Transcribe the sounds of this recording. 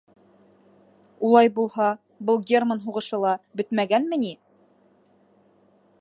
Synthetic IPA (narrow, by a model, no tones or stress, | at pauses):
ulˠɑjbulˠhɑ | bɤlˠɡʲermanɦuʁɤ̆ʃɤlˠɑbɵt̪mæɡænmɘ̆ni